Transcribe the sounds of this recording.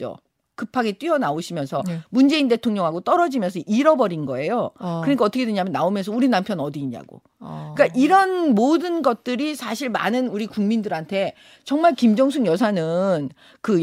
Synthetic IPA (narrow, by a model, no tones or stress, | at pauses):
o̰ | kɯpʰaɡe̞t͈wɥiʌnaoɕʰimjʌnsʰʌmund͡ʑe̞inde̞tʰoŋɲʌŋɦaɡot͈ʌɾʌd͡ʑimjʌnsʰʌʔiɾʌbʌɾinɡʌe̞jokɯɾeɲikaʌt͈ʰʌkʰedweɲamjʌnːaomjʌnsʰʌuɾinampʰjʌnʌdiːɲa̰ɡo̰ | k͈aʔiɾʌnmodɯnɡʌt̚t͈ɯɾisʰaɕʰiɭma̰nɯnuɾikuŋmindɯɾɦantʰe̞ | t͡ɕʌŋmaɭkimd͡ʑʌŋs̬ʰuŋjʌsʰanɯn | kɯ